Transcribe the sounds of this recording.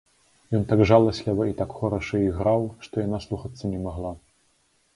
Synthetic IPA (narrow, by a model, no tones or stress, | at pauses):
jɔnt̪aɡʐalˠɐsʲlʲivɐit̪akxɔɾɐʂɐiɣɾawʂt̪ɔjanaslˠuxɐt̪sːɐnʲɛmaɣlˠa